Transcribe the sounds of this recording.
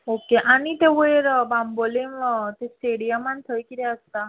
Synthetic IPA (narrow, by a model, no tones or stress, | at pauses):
okeʔaɽ̃it̪eʋəjɾbambolemt̪esʈeɽijəmant̪ʰəjkit̪eəst̪a